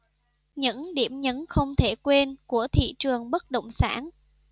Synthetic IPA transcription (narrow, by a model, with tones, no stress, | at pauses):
ɲɨ̰˧˥ŋɗi˧˩əmɲə˨˦nxə˧wŋ͡mt̪ʰe˧˩kwe˧nku˧˩ət̪ʰḭ˧˨t͡ɕɨ˨˩əŋɓə˦˥t̚ɗə̰˧˨wŋ͡msaː˧˦n